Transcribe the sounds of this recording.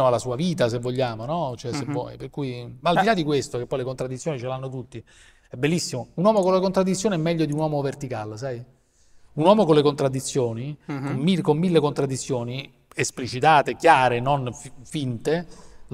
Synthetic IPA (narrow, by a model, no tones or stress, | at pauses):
oalːasuːaviːt̪as̬evːoʎːaːmonɔt͡ʃoɛsevɔ̰jperkuːimaːld̪ilad̪ːikwest̪okepːɔjlekont̪ɾad̪ːit̪sjonit͡ʃelanːot̪ut̪ːi | ɛbːelːisːimounwɔːmokonlekont̪ɾad̪it̪sːjoːniɛmːɛʎːod̪iunwɔːmovert̪ikals̬aj | unwɔːmokonlekont̪ɾad̪ːit̪sːjoːnikommikomːilːekont̪ɾad̪ːit̪sːjoːni | esplit͡ʃit̪aːt̪ekjaːɾenonfint̪e